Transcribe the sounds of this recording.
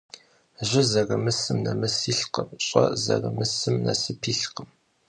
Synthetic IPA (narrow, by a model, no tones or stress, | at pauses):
ʒɪzɐrɐmɨsɨmnɐmɨsiːɬqəmɕʼɐ̰zɐ̰rɐmɨsɨmnɐsɨpʰiːɬqəm